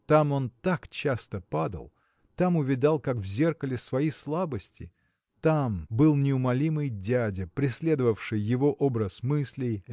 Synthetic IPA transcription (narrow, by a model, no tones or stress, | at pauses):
t̪amo̞nt̪akt͡ɕast̪əpad̪ə̰lˠ | t̪amʊvʲɪd̪alˠkakvzʲe̞rkəlʲɪsvɐjislˠabəsʲtʲɪ̰ | t̪ambɨlˠnʲɪʊmɐlʲimɨjdʲædʲɪpɾʲɪsʲlʲe̞d̪əvəfʂɨjːɪvo̞ʔo̞bɾəsmɨsʲlʲɪj